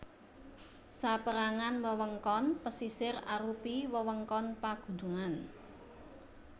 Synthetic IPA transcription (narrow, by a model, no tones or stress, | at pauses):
sapəɾaŋanməwəŋkɔnpəsisɪraɾupiwəwəŋkɔnpaɡ̥ṳnduŋan